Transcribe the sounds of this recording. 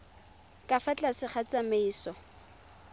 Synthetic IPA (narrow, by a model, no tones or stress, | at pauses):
kʼafat͡ɬʼasɪχat͡sameiːsɔ